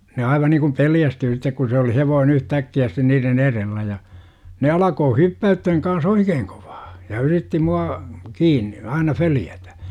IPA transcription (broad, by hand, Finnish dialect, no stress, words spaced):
ne ɑiʋɑ niŋkum peljæstyː sitːek ku se oli heʋoːne̥n̥ yhtækːiæ sitːen niːren erelːæ jɑ ne ɑlɑkoː hypːæythæŋ kɑns oikeːŋ ko̥ʋ̥ɑ̥ː jɑ yritːi muɑ kiːnːi ɑinɑ føljætæ